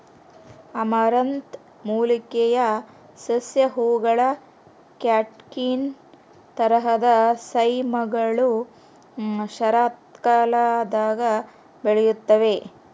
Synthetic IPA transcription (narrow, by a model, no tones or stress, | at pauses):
ɐmaːɾɐnt̪ | muːlikɛjɐ | sɐsjɐɦuːɡɐɭɐ | kjaːʈkin | t̪ɐɾɐɦɐd̪ɐsɐjmɐɡɐɭu | ʃɐɾaːt̪kaːlad̪aːɡɐ | beɭɛjut̪ːɐʋe